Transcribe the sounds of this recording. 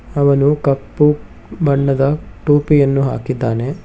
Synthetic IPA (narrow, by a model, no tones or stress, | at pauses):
ɐʋɐnukɐpːu | bɐɳːɐd̪ɐʈuːpijɐnːuɦa̰ːkid̪ːaːne̞